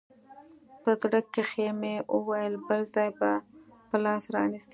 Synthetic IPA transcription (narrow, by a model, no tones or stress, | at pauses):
pəzɽəkːexemewʔəwajəlbəlzɑjbapəlɑsɾɑ̰nist̪i